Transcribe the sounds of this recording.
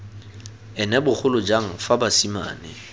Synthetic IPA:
ɛnɛbʊk͡xʰʊlʊd͡ʒaŋ̩fabasima̰ːnɪ

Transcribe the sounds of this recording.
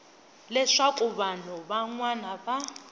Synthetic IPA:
lɛʂakʼʊβan̤ɔbaŋwanaba

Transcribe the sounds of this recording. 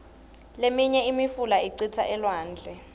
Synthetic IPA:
lemiɲɛimifulaiǀitʰaʔɛlwaːnd͡ɮʱɛ

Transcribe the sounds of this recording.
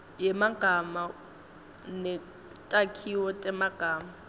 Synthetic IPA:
jɛmaɡ̥ʱama | nɛ | tʼakʰiɔtʼɛmaɡ̥ʱaːma

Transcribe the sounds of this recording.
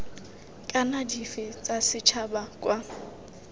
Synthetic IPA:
kʼanadifɪt͡sʼasɪt͡ʃʰabakʼwa

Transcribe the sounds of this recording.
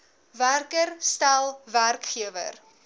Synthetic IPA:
værkərstælˠværkχiəvə̰r

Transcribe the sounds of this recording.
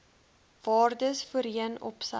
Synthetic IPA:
vɑːrdəsfəɾiənɔ̰psɐ

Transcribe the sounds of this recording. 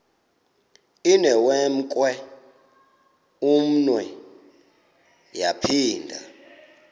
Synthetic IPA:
inɛwɛm̩kʼwɛ | um̩nwɛ | japʰiːndʱa̰

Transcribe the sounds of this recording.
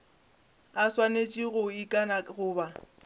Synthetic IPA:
aswanet͡ʃʼiɣʊikʼanaɣʊːba

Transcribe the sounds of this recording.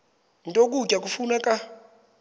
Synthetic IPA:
ntʼok̬ʼucʼak̬ufunakʼa

